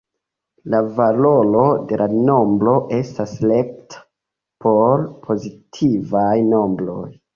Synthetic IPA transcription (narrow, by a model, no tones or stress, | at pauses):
lavalo̞lo̞de̞lʔano̞mbɾo̞ʔe̞stasle̞k̚tʰḁ | pʰo̞ɾpʰo̞zitʰivajno̞mbɾo̞j